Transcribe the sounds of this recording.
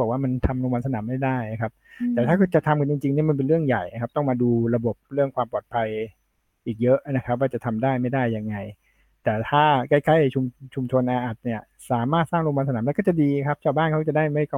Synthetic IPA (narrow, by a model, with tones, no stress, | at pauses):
k̚waː˥˩ma˧nt̪ʰa˧mɾoː˧ŋwaː˧nsa˧naː˩˦mːa˥˩jdaː˥˩ja˨˩kʰa˦˥p̚t̪ɛː˨˩t̪ʰaː˥˩kʰɯ˧˥˩t͡ɕa˨˩t̪ʰa˧mkʰa˧˩t͡ɕi˧ŋt͡ɕi˧ŋni˥˩ma˧np̬e˧nɾɯ˥˩əŋja˨˩jna˦kʰa˦˥p̚t̪ɔ˥˩ŋmaː˧duː˧ɾa˧bo˨˩p̚ɾɯ˥˩əŋkʰwaː˧mpɔː˨˩t̪̚pʰa˧j | ʔiː˨˩k̚jɤ˦˥ʔna˦˥kʰa˦˥p̚waː˥˩t͡ɕa˨˩t̪ʰa˧mdaː˥˩jma˥˩jdaː˥˩jːa˧ŋːa˧j | t̪ɛː˨˩t̪ʰaː˥˩kaː˥˩jkʰa˥˩jt͡ɕʰu˧mt͡ɕʰu˧mt͡ɕʰo˧nʔaː˧ʔa˨˩t̪̚ni˥˩ɐ | saː˨˩˦maː˥˩t̪̚saː˥˩ŋɾoː˧wa˧nsa˧naː˩˦mɛː˧˥kɔː˥˩t͡ɕa˨˩diː˧kʰa˦˥p̚t͡ɕʰaː˥˩baː˥˩nkʰa˦˥˩t͡ɕa˨˩daː˥˩jma˥˩jkɔ˥˧˩